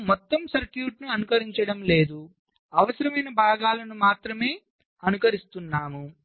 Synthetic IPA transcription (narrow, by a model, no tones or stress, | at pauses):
mɔt̪ːɐmsɐɾkjuːʈnuɐnukɐɾiɲt͡ʃɐɽɐmle̞ːd̪u | ɐʋɐsɐɾɐmɐjnɐbʱaːɡaːlɐnumaːt̪ɾɐme̞ː | ɐnukɐɾist̪unːaːmu